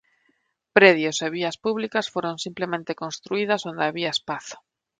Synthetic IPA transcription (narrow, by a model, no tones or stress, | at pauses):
pɾeðjoseβ̞iɐspuβlikasfoɾonsimplemẽnt̪ekõnst̪ɾuið̞asond̪aβiaespaθo̥